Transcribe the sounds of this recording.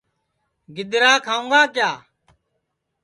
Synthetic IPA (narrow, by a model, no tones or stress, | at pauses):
ɡɪd̪ɾaːkʰaːũːɡaːkjaː